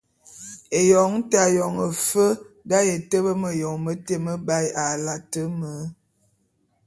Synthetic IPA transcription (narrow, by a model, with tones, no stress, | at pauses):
e˨jɔ˨ŋ˦ta˨jɔ˨ŋə˨fə˦ | da˦je˨tə˦bə˦mə˨jɔ˨ŋmə˦te˦˨mə˦ba˦ja˨la˨tə˦mə˦